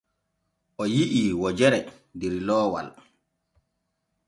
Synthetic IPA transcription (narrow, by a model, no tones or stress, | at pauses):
ʔɔjiʔiːwɔd͡ʒɛɾɛ | dɛɾlɔːwa̰l